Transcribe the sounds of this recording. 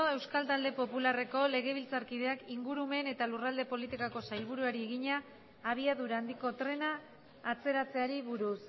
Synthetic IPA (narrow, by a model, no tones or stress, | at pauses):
oe̞wskalt̪ald̪e̞po̞pulare̞ko̞le̞ɣ̞e̞βilt͡saɾkið̞e̞akiŋɡuɾume̞ne̞t̪alurald̪e̞po̞lit̪ikako̞sajlβ̞uɾuaɾie̞ɣiɲaː | β̞iaðuɾaːnd̪iko̞t̪ɾe̞naː | t͡se̞ɾat͡se̞aɾiβuɾus